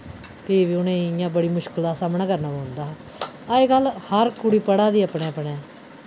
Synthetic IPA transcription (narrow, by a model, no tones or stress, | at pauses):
piːʋiːʊnẽːjãːbəɽiːmʊʃkəld̪aːsaːmnãːkəɾnãːboːʊnd̪aː | aːeːɡəlhəɾkʊɽiːpəɽaːd̪iːəpɳeːəpɳeː